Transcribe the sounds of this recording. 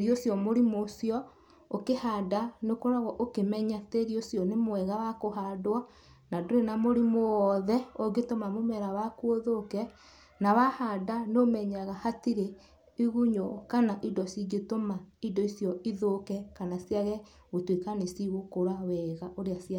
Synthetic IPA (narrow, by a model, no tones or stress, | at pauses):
eɾiosjɔmoɾimoːsjɔ | okehadanekoɾaɣɔʔokemɛɲateɾiosjɔnemwɛɣawakoɦadwa | nadoɾenamoɾimoɔðɛoɡetomamomɛɾawakwoðokɛ | nawahadanomɛɲaɣahatiɾe | iɣuɲokanaʔidɔsiɡetomaidɔisjɔiðokɛkanasjaɣɛ | ɣotwekanesiɣokoɾawɛɣaʔoɾeasia